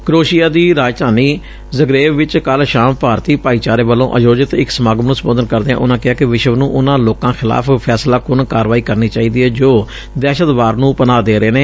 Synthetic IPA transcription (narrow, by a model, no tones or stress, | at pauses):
kɾoːʃijaːd̪iːɾaːd͡ʒt̪aːniː | zəɡɾeːʋɪt͡ʃkəlʃaːmpaːɾt̪iːpaːiːt͡ʃaːɾeːʋəlõ̰ːʔəd͡ʒoːd͡ʒɪt̪ɪksəmaːɡmnũːsəmboːd̪ənkəɾd̪eːã̰ːʔʊnãːkɪɦaːkɪʋɪʃəʋnũːʔʊnãːloːkãːxʰɪla̰ːpʰpʰɛːslaːkʊnkaːɾʋaːiːkəɾniːt͡ʃaːiːd̪iːɦɛːd͡ʒoː | d̪ɛːʃət̪ʋaːɾnũːpənaːd̪eːɾəeːnẽː